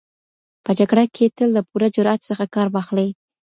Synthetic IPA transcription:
pəd͡ʒaɡɽakʰet̪əlːapuɾad͡ʒʊɾɑt̪səxakɑɾwɑxləj

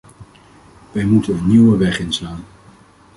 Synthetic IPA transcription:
ʋɛjmutənəniwəʋɛχɪnslaːn

